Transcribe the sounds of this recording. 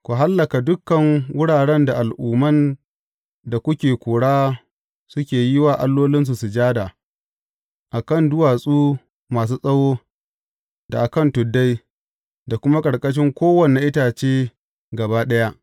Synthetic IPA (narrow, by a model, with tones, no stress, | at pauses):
kʷu˨ɦa˦lːɐ˨ka˨dʊ˦kːɐ˨ŋwʊ˦ɽaː˨ɽɛ˦nda˨ʔa˨lʔuː˨mɐ˦n | da˨kʷʊ˦kʲeː˨kʷoː˨ɽaː˦ | sʊ˦kʲeː˨jɪ˦waː˨ʔa˦lːoː˦lɪ˦ns̬u˨su˨d͡ʒaː˦daː˨ | ʔa˨kɐ˦˨ndʊ˦waː˨sʼuː˦ | maː˨s̬uː˦sʼɐ˦woː˦ | da˨ʔa˨kɐ˦˨ntʊ˨dːa˦j | da˨kʷʊ˦ma˦kʼɐ˨ɽkʼɐ˦ʃ̬ɪ˦ŋkʷoː˦wɐ˨ne˨ʔɪ˦taː˨t͡ʃeː˦ | ɡɐ˨baː˦ɗɐ˦ja˦ʔ